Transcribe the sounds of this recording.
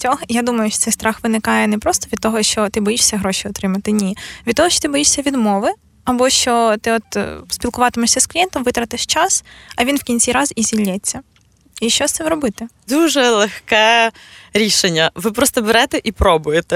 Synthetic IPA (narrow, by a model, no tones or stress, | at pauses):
t͡sʲɔɦjad̪umɐjʊʃt͡ʃɔt̪sɛjst̪ɾɑxʋɪnɪkɑjɛnɛpɾɔst̪ɔʋʲid̪̚t̪ɔɦɔʃt͡ʃɔt̪ɪbɔjiʃsʲɐɦɾɔʃʲiɔt̪ɾɪmɐt̪ɪnʲiʋʲid̪t̪ɔɦɔʃt͡ʃɔ̥t̪ɪbɔjiʂsʲɐʋʲid̪mɔʋɪ | ɐbɔʃt͡ʃɔt̪ɪɔt̪spʲilˠkʊʋɑt̪ɪmɔʃsʲɐsklʲijɛnt̪ɔmʋɪt̪ɾɐt̪ɪʃt͡ʃɑsɐʋʲinwkʲinʲt͡sʲiɾɑzizʲilʲːɛt͡sʲːɐ | iʃt͡ʃɔst̪sɛʋɾɔbɪt̪ɪd̪uʒɛlˠexkɛ | ɾʲiʃenʲːɐʋɪpɾɔst̪ɔbeɾɛt̪ɛʔipɾɔbʊjet̪ɛ